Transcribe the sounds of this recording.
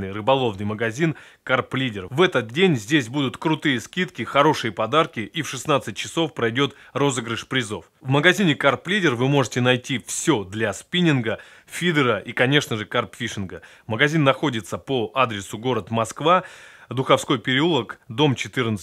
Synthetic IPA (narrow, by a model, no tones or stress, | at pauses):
nɨjrɨbɐlˠo̞vnɨjməɡɐzʲin | karplʲidʲɪrvɛt̪ət̪̚dʲenʲzʲdʲesʲbud̪ʊt̪kɾʊt̪ɨjəskʲit̪kʲɪxɐɾo̞ʂɨjəpɐd̪arkʲɪʔifʂɨsnat̪sɨt̚ʲt͡ɕːɪso̞fpɾɐjdʲo̞t̪ | ro̞zəɡɾʲɪʂpɾʲɪzo̞fvməɡɐzʲinʲɪkarplʲidʲɪrvɨmo̞ʐɨtʲɪnɐjtʲifsʲɵd̪lʲaspʲinʲɪnɡə | fʲid̪ɨɾəʔikɐnʲe̞ʂnəʐɨkarpfʲiʂɨnɡə | məɡɐzʲinːɐxo̞dʲɪt̪səpoʔad̪ɾʲɪsʊɡo̞ɾət̪mɐskvad̪ʊxɐfsko̞jpʲɪɾʲɪulˠəkd̪o̞mt͡ɕɪt̪ɨrnə